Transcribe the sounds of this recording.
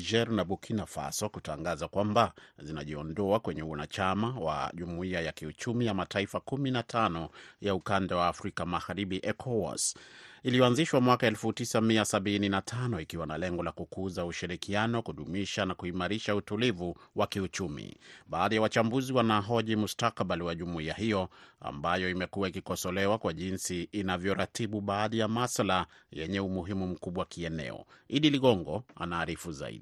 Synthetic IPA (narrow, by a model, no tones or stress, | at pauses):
ʒɛɾnaɓukʰinafa̰sɔkutaŋɡazakwambazina̰ʄiɔndɔakwɛɲɛwanat͡ʃamawa̰ʄumuiajakiut͡ʃumijamataifakuminatʰanɔjaukandawaːfɾikamaɣaɾiɓiʔɛkʰɔwa̰silijɔanziʃwamwakaɛlfutisamiasaɓininatʰanɔikiwanalɛŋɡɔlakukuzauʃiɾikianɔkuɗumiʃanakuimaɾiʃautulivuwakiut͡ʃumḭɓaːðijawat͡ʃambuziwanaɦɔʄimustakɓaliwaʄumuiaɦijɔa̰mbajɔimɛkuaikikɔsɔlɛwakwaʄinsiːnavjɔɾatiɓuɓaːðijamasalajɛ̰ɲɛumuɦimum̩kuɓwakʰiɛnɛ̰ɔ̰iɗiliɠɔŋɡɔa̰naːɾifuza̰ḭɗi